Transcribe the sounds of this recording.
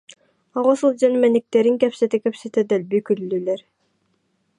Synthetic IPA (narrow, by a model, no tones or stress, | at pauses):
ɔʁɔsulˠd͡ʑanymɛnik̚t̪ɛɾiŋkɛpsɛt̪ikɛpsɛt̪ɛd̪ɛlbykylːyːlɛɾ